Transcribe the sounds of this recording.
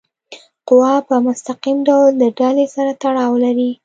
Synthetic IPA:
qʊwɑpəmʊst̪aqimɖawld̪əɖalesaɾat̪aɽɑwlaɾi

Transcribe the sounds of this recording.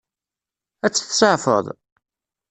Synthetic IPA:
æt͡sːθsˤəʕfə̰ðˤ

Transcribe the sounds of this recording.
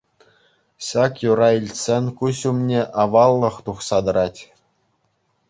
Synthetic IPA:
ɕɑkjuɾɑilʲsʲenʲkuɕumnʲeʔɑʋɑlˠːɤ̆χt̪uχsɑd̪ɤ̆ɾɑtʲ

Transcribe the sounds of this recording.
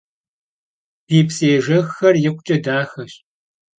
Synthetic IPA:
piːpseːʒɐxːɐrjɪqʷʊt͡ʃʼɐdaːxɐɕ

